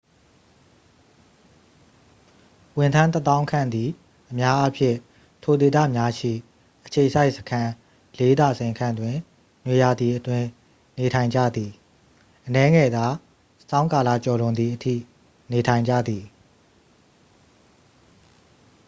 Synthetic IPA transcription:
wɪ̃˨ntʰã˦nt̪ət̪ã˦ʊ̃kʰã̰˦˨nd̪i˨ | ʔəmja˦ʔa˦pʰjɪ̰̃˦˨ | tʰo˨de˨t̪̬ä̰˦˨mja˦ʃḭ˦˨ | ʔət͡ɕʰe˨əsa˦ɪʔsə̥kʰã˦ | le˦d̪a˨sẽ˨ɪ̃ŋkʰã˦˨ndwɪ̃˨ | nwe˨ja˨d̪i˨ʔətwɪ̃˦ | ne˨tʰã˨ɪ̃ɲd͡ʑä̰˦˨d̪i˨ | ʔənɛ˦ŋɛ˨d̪a˨ | sã˦ʊ̃ka˨lä̰˦˨t͡ɕɔ˨lʊ̃˨nd̪ði˨ʔətʰḭ˦˨ | ne˨tʰã˨ɪ̃ɲd͡ʑa̰˦˨d̪i˨

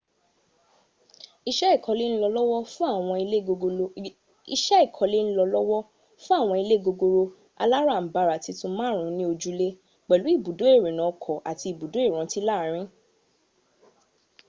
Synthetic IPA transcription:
i˧ʃɛ˦i˦˨kʰɔ˨˧le˦ñ̩˦lɔ˧lɔ˦wɔ˦fũ˦a˦˨w̃ɔ̃˧i˧˦o˧o˧ | i˧ʃɛ˦i˦˨kʰɔ˨le˦ñ̩˦lɔ˧lɔ˦wɔ˦ | fũ˦a˦˨w̃ɔ̃˧i˧le˦ɡo˧ɡo˧ɾo˧ | a̰˧la˦ɾa˦˨m̩˨ba˨ɾa˨ti˨˧tũ˧mãː˦ɾ̃ũ˨˧˦nĩ˦o˧d͡ʒu˦le˦ | k͡pɛ˨lu˨˦i˦˨bu˨do˨˦e˦˨ɾe˨nã˨˦˧kʰɔ˨ʔa˨ti˧i˨bu˨do˨˦e˦˨ɾ̃ɔ̃˨˦ti˦la˦˨ɾ̃ĩ˦

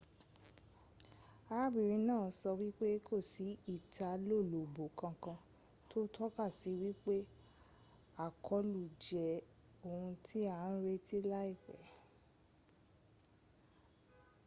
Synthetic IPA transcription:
a˧ɾa˦bi˨ɾĩ˧˦nãː˦˨˦sɔ˧wi˦k͡pe˦kʰo˦˨si˨˦i˦˨tʰa˨˧lo˦˨lo˨bo˨kã˧kã˧ | to˦tʰɔ˦ka˦˨si˨˦wi˦k͡pe˦ | a˦˨kʰɔ˨˧˦lu˨d͡ʒɛ˨ | o˨hũ˧tʰi˦a˦˨˦n̩˦ɾe˦ti˦la˦i˦˨k͡pɛ˨˦

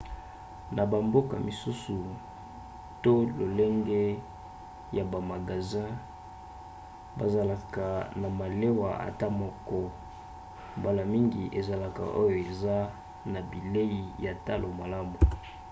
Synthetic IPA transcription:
na˨ba˨mbo˦ka̰˨mi˨su˦su˨ | to˦lo˨le˦ŋɡɛ˦ | ja˨ba˨ma˨ɡa˨zã˦ | ba˨za˨la˨ka˨na˨ma˨le˦wa˨a̰˨ta˦mɔ˦kɔ˦ | mba˨la˨mi˦ŋɡi˨ʔe˨za˨la˨ka̰˨ʔo˦jo˨e˨za˦ | na˨bi˨le˦ji˨ja˨ta˦lo˨ma˨la˦mu˨

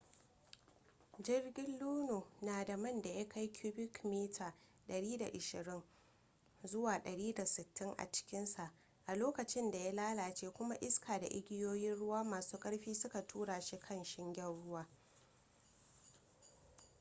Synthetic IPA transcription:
d͡ʒɪ˦rɡʲɪ˦lːuː˦no˨naː˨da˨mɐ˦˨nda˨ja˦kʰa˦jkʲʰuː˦bɪ˦kmeː˦tʰaː˨ | ɗɐ˨ɽiː˦da̰˨ʔɪ˨ʃɪ˨ɾɪ˦ŋ | zʊ˦waː˨ɗɐ˨ɽiː˦da˨sɪ˨tːɪ˦ŋʔa̰˨t͡ʃɪ̥˦kʲɪ˦nsa˨ʔ | ʔa˨loː˦kɐ˨t͡ʃɪ˦nda˨ja˦laː˦laː˨t͡ʃeː˦kʷʊ˦ma˦ʔɪ˦skʰaː˨da̰˨ʔɪ̰˦ɡʲɪ˦joː˦jɪ˦nɽʊ˦waː˦maː˨suː˦kʼɐ˦ɽɸiː˦sʊ˦ka˨tʰuː˦ɽaː˨ʃi˦kʰɐ˦˨nʃɪ˦ŋɡʲɐ˦rɽʊ˦waː˦

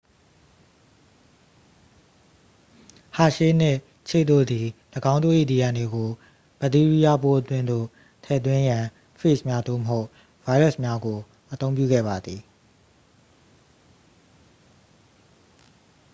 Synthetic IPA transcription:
ha̰˨ʃe˦n̥ɪ˦˨ʔ | t͡ɕʰe˦˨ʔt̪o̰˦˨d̪i˨ləɡã˦ʊ̃nt̪o̰˦˨ʔḭ˦˨ni˨jã˨ne˨ɡo˨ | b̥ə˨t̪i˦ɹi˦ja˦po˦ʔət̪wɪ̃˦nd̪o̰˦˨ | tʰɛ̰˦˨t̪̬wɪ̃˦jã˨ | pʰɹe˦˨smja˦d̪o̰˦˨məɦo˦ʊʔ | va˦i˦ɹɛ˦˨smja˦ɡo˨ | ʔət̪õ˦ʊ̃mpjṵ˦˨ɡɛ̰˦˨ba˨d̪ði˨

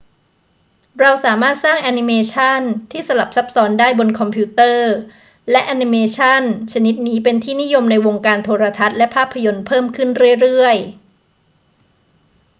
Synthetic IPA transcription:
ɾa˧wsaː˩˦maː˥˩t̪̚saː˥˩ŋʔa˧ni˧meː˧t͡ɕʰa˥˩nt̪ʰiː˥˩sa˧la˨˩p̚sa˦˥p̚sɔː˦˥ndaː˥˩jbo˧nkʰɔ˧mpʰuː˦˥t̪ɤː˥˩ | lɛ˦˥ʔa˧ni˧meː˧t͡ɕʰa˥˩nt͡ɕʰa˧ni˦˥t̪̚niː˦˥pe˧nt̪ʰiː˥˩ni˦˥jo˧mna˧jwo˧ŋkaː˧nt̪ʰoː˧ɾa˧t̪ʰa˦˥t̪̚lɛ˦˥pʰaː˥˩pʰːa˧jo˧npʰɤː˥˩mkʰɯ˥˩nɾɯ˥˩əjɾɯ˥˩əj

